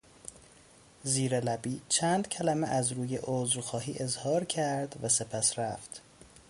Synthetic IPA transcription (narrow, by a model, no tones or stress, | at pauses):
ziːɾelæbiːt͡ʃʰæːnd̪̥cʰælæmeʔæzɾuːje̞ʔozɾxɒːɦiːʔe̞zhɒːɾcʰæɾd̪væse̞pʰæsɾæft̪